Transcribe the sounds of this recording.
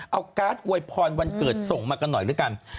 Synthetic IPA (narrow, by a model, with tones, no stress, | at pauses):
ʔa˧wkaː˦˥t̪̚ʔu˧˩əjpʰɔː˧nwa˧nkɤː˨˩t̪̚so˨˩ŋmaː˧ka˧nːɔ˨˩jɾɯ˦˥ka˧n